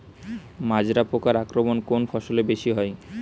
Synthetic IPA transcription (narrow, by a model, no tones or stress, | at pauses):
mad͡ʑɾapokaɾakɾomonkonfʰɔʃolebeʃiɦɔe